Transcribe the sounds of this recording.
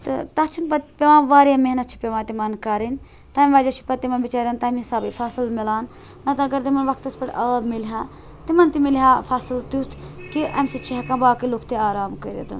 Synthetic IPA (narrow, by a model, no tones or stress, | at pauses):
t̪ɨ̰t̪ɐt͡ʃʰunpɐt̪pʲeʋãːʋaːɾjameɦnɐt̪̚t͡ʃʰi̥pʲeʋaːnt̪imɐnkaːɾin | t̪aːmʲʋaːd͡ʒɐt͡ʃʰi̥pɐt̪ːimɐnbit͡ʃaːɾjaːnt̪aːmisaːbifʰaːsɨlmilaːnː | ɐt̪ɐɐɡɐɾt̪imɐnʋɐkʰt̪ɐspɐʈʔɐːmilɦaː | t̪imɐnt̪imilɦaːfʰaːsɨlt̪ut̪ʰkiʔɐ̰mʲsit͡ʃʰiɦɐkɐ̃baːkiloːkʰt̪eaːɾaːmkɐɾḛd̪ɐ̰n